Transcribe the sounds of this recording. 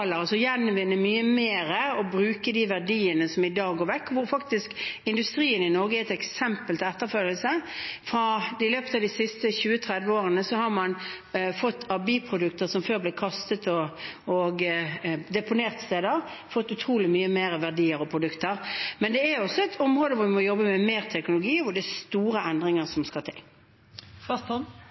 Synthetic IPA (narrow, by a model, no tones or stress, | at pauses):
ləɾɑsɔjɛnːʋɪnːəmyːəmeːɾəɔbɾʉːkəd̪ɪʋæʁdiːənəsɔmɪd̪ɑːɡoːʋɛkːʋʊɾfɑkt̪ɪskɪnd̪ʉst̪ɾiːənɪnɔʁɡəɛɛt̪ɛksɛmpəlt̪ʰɪɛt̪ːəʁfœljəlsəfɾɑɪløːpət̪ɑːd̪isɪst̪əçʉːət̪ʰɾɛd̪ʋəoːʁənəsɔhɑʁmɑn | fɔt̪ːɑbiːpʰɾʊd̪ʉkt̪əʁsɔmføːʁblɪːkʰɑst̪ət̪ɔɔɡ | d̪ɛpʊneːʁt̪st̪eːd̪əʁfɔt̪ːʉt̪ʰɾuːlɪmyːəmeːɾəʋæʁd̪iːəɾɔpʰɾʊd̪ʉkt̪əʁmɛnd̪ɛæɾɔsːɔɛɪt̪ʰɔmʁoːd̪əʋʊʋɪmɔjɔbːəmɛmeːʁt̪ʰɛknʊlʊɡiːʋʊd̪ɛst̪uːɾəɛnd̪ʁɪŋəʁsɔmskɑt̪ʰɪ̰l